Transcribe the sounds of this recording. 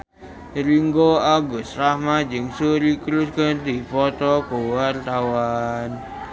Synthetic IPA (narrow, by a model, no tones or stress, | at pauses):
ɾiŋɡoaɡʊsrahmad͡ʒɨŋsuɾikɾuskərd̪ifɔt̪ɔkowart̪awan